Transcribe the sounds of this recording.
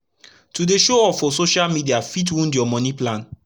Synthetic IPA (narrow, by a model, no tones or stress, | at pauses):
tudeʃoɔfɔsoʃalmidiafit̬wũndɔmɔ̃nĩplãn